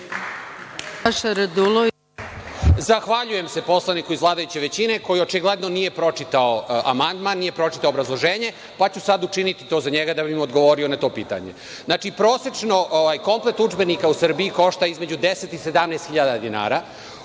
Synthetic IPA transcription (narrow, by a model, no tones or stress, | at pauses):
aʃɾd̪ulo | zaxʋaʎuje̞mse̞po̞slanikuizʋlˠaːd̪ajut͡ɕe̞ʋe̞t͡ɕine̞ko̞jio̞t͡ʃiɡle̞d̪nonije̞pɾo̞t͡ʂit̪aoa̰mand̪manːije̞pɾo̞t͡ʃi̥t̪aoːbɾazlˠoʒeːɲe̞ | pat͡ɕusad̪ut͡ʂinit̪it̪o̞ːzaɲeɡad̪abimod̪ɡo̞ʋo̞ɾio̞nat̪o̞ːpiːt̪a̰ɲḛ | znaːt͡ʃipɾo̞ːset͡ʂno̞ʔoʋajko̞mplet̪ud͡ʒbenikausr̩biiko̞ʃt̪aizme̞d͡ʑud̪ese̞t̪ise̞d̪amneːst̪xiʎad̪ad̪ina̰ːɾa